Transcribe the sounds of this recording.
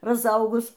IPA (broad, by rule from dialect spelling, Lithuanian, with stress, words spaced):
rɐzˈɐʊɡʊs